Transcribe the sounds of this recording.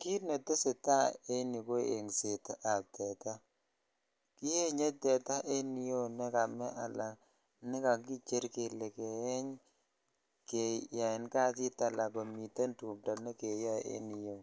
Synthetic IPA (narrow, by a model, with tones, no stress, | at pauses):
ki˦ɾne˨te˦se˨ta˦e˦ni˨ko˦ḛ˨ŋse˨ta˨tɛ˨ta˦ | ki˦he˦ɲe˦tɛ˨ta˦ʔe˦ni˦jo˦nɛ˦ka˨mɛ˦ʔa˨la˨ | nɪ˦ka˨ki˦t͡ʃe˦ɾke˨le˨ke˨ɛ˦ɲ | ke˨ja˨ɪ˨nka˦ti˦ta˨la˨ka˨mi˨te˦ntu˨mta˨ne˦ke˨ja˦ḛ˦ni˨jo˦˨